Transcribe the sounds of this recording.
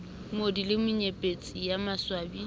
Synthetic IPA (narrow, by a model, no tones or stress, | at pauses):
modilɪmʊɲepʼet͡sʼijamaswaːbi